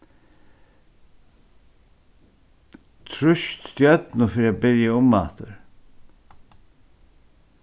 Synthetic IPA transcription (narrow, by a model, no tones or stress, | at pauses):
t̪ʰɾʊʃt̪t̪jœt̪nʊfiːɾiaːbɪɾjaʊmːa̰ːt̪əɹ